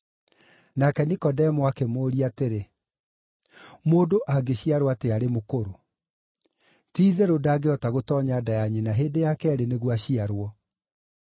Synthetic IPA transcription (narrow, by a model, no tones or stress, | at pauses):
nakɛnikɔdɛmwakemoːɾiateɾe | moːdoʔaɡeɕiaɾowateaɾemokoɾo | tiːðɛɾodaːɡeɔtaɣotɔːɲadajaɲenaɦeːndejakɛɛɾeneɣwaɕiaɾwɔ